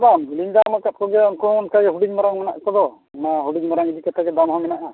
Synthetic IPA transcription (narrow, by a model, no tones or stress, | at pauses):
babuliŋd̪aŋmakat̪̚kɔɡɛɔnkɔɔnkajɦuɽiɲmaɾaŋmɛna̰ʔkɔd̪ɔ | maɦuɽiɲmaɾaŋid̪ikɛt̪ʰaɡɛd̪amɦamɛnaʔa